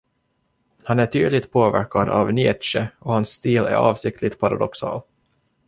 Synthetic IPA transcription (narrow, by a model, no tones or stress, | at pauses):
hanæʈʰyːd̪lɪt̪̚pʰoːvæ̰ɾkad̪ɑ̰vnɪɛt̪ʂəɔhansːt̪iːlæ̰ɾɑːvsɪk̚t̪ʰlɪɡt̪pʰaɾa̰d̪ɔksɑ̰ːl